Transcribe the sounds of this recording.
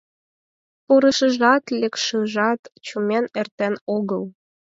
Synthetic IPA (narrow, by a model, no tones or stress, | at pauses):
puɾə̆ʃə̆ʒɑt̪lʲekʃɯʒɑt̪t͡ɕumenert̪enoɣəl